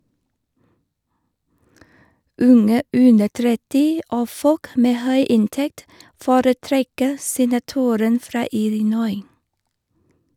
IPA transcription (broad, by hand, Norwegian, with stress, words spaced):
ˈʉŋə ˈʉndə ˈtɾɛtɪ ˈoː ˈfɔk ˈmeː ˈhœʏ ˈɪnˌtɛkt ˈfoːɾəˌtɾɛkə sɛnɑˈtuːɾən ˈfɾɑː ˈɪlɪˌnɔʏ